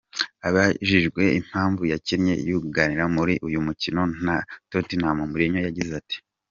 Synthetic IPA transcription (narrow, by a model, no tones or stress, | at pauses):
aβaʒiʒɡwe̞im̥haːɱvujaciɾɲe̞̰juɡɡaniɾamuɾiʔujumucino̞n̥atotinhamumuɾiɲojaɟizati̥